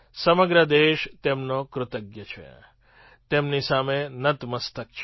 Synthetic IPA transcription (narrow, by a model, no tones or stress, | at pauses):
səməɡɾəd̪eʃt̪emnokɾʊt̪əɡjət͡ʃʰḛ | t̪emnisamenət̪məst̪ək̚t͡ʃʰ